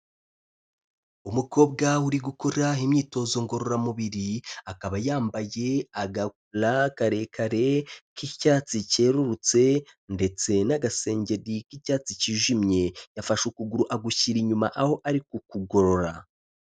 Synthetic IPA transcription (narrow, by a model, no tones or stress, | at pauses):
umuko̞ːb̚ɡawuɾiɡuko̞ɾaimɲiːto̞zo̞ŋɡo̞ɾo̞ɾamuβiɾiakaβajaːmbaje̞aɡakulakaɾe̞ːkʰaɾe̞kicaːt͡sice̞ːɾuɾut͡se̞nde̞t͡se̞naɡase̞ːɲɟe̞ɾikicaːt͡siciʒimɲe̞jafaʃukuɡuɾuʔaɡuçiɾiɲumaʔaho̞ʔaɾikukuɡo̞ɾo̞ɾa